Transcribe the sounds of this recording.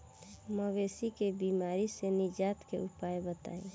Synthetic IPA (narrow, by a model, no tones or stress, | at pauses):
məʋesikebimaɾisenɪd͡ʒaːt̪keʔupajbət̪a̰ːĩ